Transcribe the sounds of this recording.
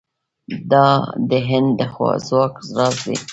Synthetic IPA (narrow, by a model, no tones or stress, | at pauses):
d̪ɑd̪əɦɪnd̪d̪əxwɑ̰zwɑkzɾɑzd̪ḭ